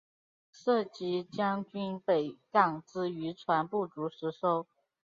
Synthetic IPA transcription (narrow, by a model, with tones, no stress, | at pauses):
ʂɤ˥˩t͡ɕi˧˥t͡ɕjɑ˥ŋt͡ɕy˥npe˨˩ɪkɑ˨˩ŋt͡sɹ̩˥y˧˥ʈ͡ʂʰwa˧˥npu˥˩t͡su˧˥ʂɻ̩˧˥ʂo˥ʊ